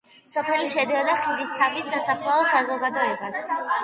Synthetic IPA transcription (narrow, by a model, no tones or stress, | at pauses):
sɔpʰɛliʃɛd̪ɛd̪aχid̪ist̪ʰabisːasapʰlaɔsazɔɡad̪ɔɛbas